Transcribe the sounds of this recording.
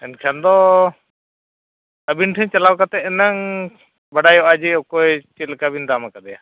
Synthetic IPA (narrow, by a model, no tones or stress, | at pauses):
ɛnkʰand̪ɔ | əbinʈʰɛɲt͡ʃalawkat̪ɛɛnaŋ | baɖajɔʔad͡ʒiɔkɔjt͡ʃit̪̚lkabind̪amakad̪ɛja